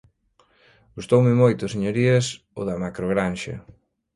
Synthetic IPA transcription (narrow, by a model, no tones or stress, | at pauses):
ɡ̥ust̪owmɪmojt̪ʊseɲoɾiɐs | oðɐmakɾoɣɾanʃɐ̰